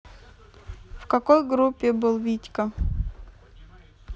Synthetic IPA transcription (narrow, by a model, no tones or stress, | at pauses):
fkɐkojɡɾupʲːɪbɨlˠvʲitʲkə